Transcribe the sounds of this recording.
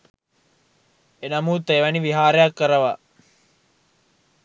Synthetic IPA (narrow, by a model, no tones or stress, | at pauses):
enɐmuːt̪eːʋɐniʋiɦaːɾejakːəɾəʋa